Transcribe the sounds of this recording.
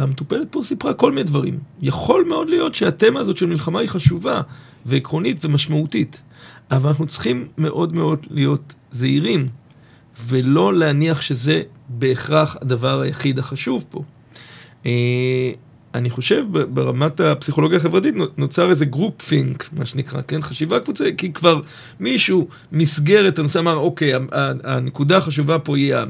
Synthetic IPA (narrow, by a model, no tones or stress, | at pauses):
amet̪upe̞let̪̚posipʁako̞lmined̪vaʁḭmjaχo̞lme̞o̞dlijo̞tʃeate̞maːzo̞tʃelmilχamaiχaʃuva | ve̞ikʁo̞nitve̞maʃmautit | ʔavalnaχnut͡sχimːe̞ʔo̞dme̞o̞dlijo̞tzeiʁim | ve̞lo̞leaniaχʃeze̞be̞ːχʁaχa̰davaʁajaχidaχaʃuvpo̞̰ | e | aniχo̞ʃe̞vbebeʁamatapsiχo̞lo̞ɡjaχevʁatitno̞t͡saʁezeɡʁupfiŋkma̰ʃenikʁa̰kenχaʃivakvut͡sakikvaʁ | miʃu | misɡe̞ʁetanoseamaʁo̞ke̞jaaanekudaχaʃ̬uvapo̞ia